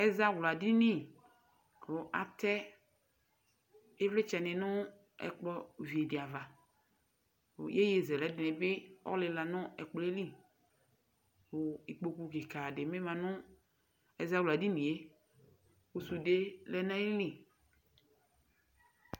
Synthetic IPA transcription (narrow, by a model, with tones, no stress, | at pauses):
ɛ˦za˦wla˨di˦nĩ˦˨ | o˨ʔa̰˨t̪ɛ˦ | e˦vlɪ˦t͡ʃɛ˨nɪ̃˨nʊ̃˦ | ɛ̰˨k͡plɔ˦vi˨e˨di˨a˨va˨ | je˦je˨zɛ˨lɛ˨˦dɪ˨nɪ̃˨be˦ɔ̰˦lɪ˨la˨nʊ̃˦ɛ̰˨k͡plɔ˨˦e˦li˦˨ | wo˨i˨k͡po˨ku˨ke˨ka˨dɪ˨mẽ˦mã˨nʊ̃˦ | ɛ˨za˦wla˨di˦nĩ˨e˦ | wo˨su˨de˦lɛ˦nã˦i˦lĩ˦˨